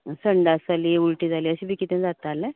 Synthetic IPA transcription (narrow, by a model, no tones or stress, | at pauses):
səɳɖasaliːuɭʈiːd͡zʱaliːəɕiːbiːkit̪ẽnd͡zat̪ale